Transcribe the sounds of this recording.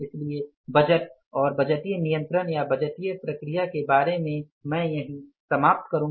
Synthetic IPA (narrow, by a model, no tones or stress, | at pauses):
ɪslie | bɐd͡ʒət̪̚ | ɔːɾbɐd͡ʒəʈ̪ijənijə̃nt̪ɾənjabɐd͡ʒəʈijəpɾɐkɾijakebaːɾemẽ | mɛ̃ːjɐɦĩsɐmaːp̚t̪kɐɾũː